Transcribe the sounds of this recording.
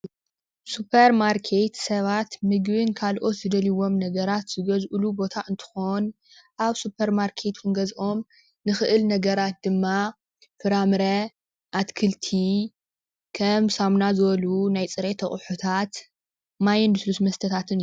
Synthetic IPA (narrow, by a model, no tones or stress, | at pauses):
supʰɐɾmaɾkʰet̪sɐβat̪mɨɡβɨnkʰalʔo̞t̪zɨd̪ɐliwo̞mnɐɡɐɾat̪z̥ɨɡɐzʔɨlubo̞t̪ʰaʔɨnt̪ʰɨ̥xon | ʔaβsupʰɐɾmaɾkʰe̞t̪kʰɨnɡɐzʔo̞m | nɨxɨʔɨlnɐɡɐɾat̪̚d̪ɨmːa | fɨɾamɨɾɐ | ʔat̪kʰɨlt̪ʰi | kʰɐmsamnazɨβɐlunajt͡sʼɨɾet̪ʰɐχʼħut̪ʰat̪ | majɛnd̪uslusmɐst̪ʰɐt̪ʰat̪ʰɨn